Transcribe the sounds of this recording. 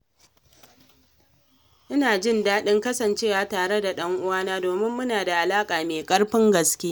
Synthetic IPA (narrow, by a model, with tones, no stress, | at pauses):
ʔɪ˦naː˨d͡ʒɪ˦˨ndaː˦ɗɪ˦ŋkɐ˦sɐ˨nt͡ʃeː˦waː˨taː˨ɽe˦da˨ɗɐ˦ŋʔʊ˦waː˦naː˦doː˨mɪ˦mːʊ˦naː˨da˨ʔa˨laː˦kʼaː˨meː˨kʼɐ˦ɽɸɪ˦ŋɡɐ˨skʲeː˦